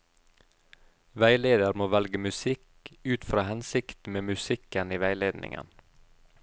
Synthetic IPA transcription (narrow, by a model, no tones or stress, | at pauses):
ʋæɪleːd̪əɾmoːʋælɡəmʉsɪk | ʉːt̪fɾɑːhɛnsɪkt̪meːmʉsɪkəniːʋæɪleːd̪nʔɪ̰ŋʔə̰n